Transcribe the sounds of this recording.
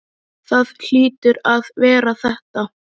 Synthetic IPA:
θaðl̥iːt̪ʏɾaðvɛːɾaθɛht̪a

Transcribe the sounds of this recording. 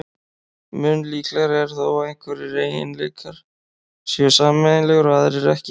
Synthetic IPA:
mʏnːliːklɛɾɛɾ̥θowaeŋ̥kʰvɛɾɪɾeːjjɪ̰nlejkʰaɾ̥ | sjœsaːmɛðɪnlɛɣʏɾaðɪɾɛɾɛhcɪ

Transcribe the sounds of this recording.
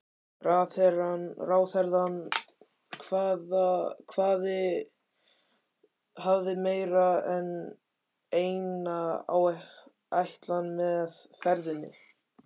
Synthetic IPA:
raːθɛɾanraːwθɛɾðan | kʰvaːðakʰvaːðɪ | havðɪmeːjɾaɛn | eːjnaa̰wɛ | ajht̪lanmɛðθɛɾðɪnːɪ̰

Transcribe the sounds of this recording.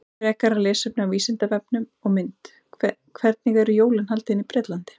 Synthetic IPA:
ɾɛːhkaɾalɛːsœp̚nʏawviːsɪnt̪avɛpnʏmɔɣmɪnt̪ | kʰvɛɾt̪̚nɪɣɛɾʏjoːwlɪnhalt̪ɪɪnipɾɪːt̪lant̪ɪ̥

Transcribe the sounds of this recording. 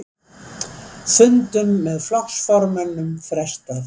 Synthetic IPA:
sʏnt̪ʏmːɛðflɔksfɔɾmanːʏmfɾɛst̪að

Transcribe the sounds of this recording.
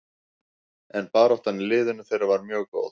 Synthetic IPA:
ɛnpaːɾɔht̪anːɪlɪːðʏnʏθejɾavaɾmjœːɣko̰ːwð

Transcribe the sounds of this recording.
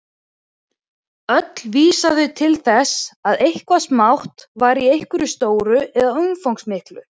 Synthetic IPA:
œt̪lviːsaðʏt̪ʰɪlθɛsaðejhkvasmawht̪vaːɾiejhkʏɾʏst̪oːwɾʏɛðaʏmfowŋsmɪhklʏ

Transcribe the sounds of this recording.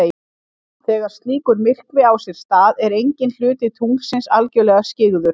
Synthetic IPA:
θɛːɣaɾ̥st̪liːkʏɾmɪr̥kvɪawsɛɾ̥st̪aːðɛɾejɲcɪnl̥ʏːt̪ɪt̪ʰuŋsɪnsalcœlɛɣascɪɣðʏɾ̥

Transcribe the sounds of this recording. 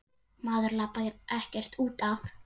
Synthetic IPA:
maːðʏɾlaːpaðɪɾʔɛhcɛr̥t̪uːt̪af

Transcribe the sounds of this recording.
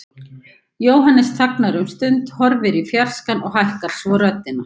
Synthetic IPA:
joːwɦanːɛst̪ʰaknaɾʏmst̪ʏnt̪hɔɾvɪɾifjar̥skanʔɔɣhajhkaɾ̥svɔɾœt̪ːɪna

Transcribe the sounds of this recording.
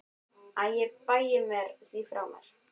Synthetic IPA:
aðjɛpajɪmɛɾθifɾa̰wma̰ɾ̥

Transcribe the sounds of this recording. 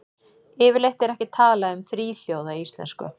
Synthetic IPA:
ɪːvɪɾlejht̪ɛɾɛhcɪt̪ʰaːlaʏmθɾiːl̥joːwðaist̪lɛ̰nskʏ̰

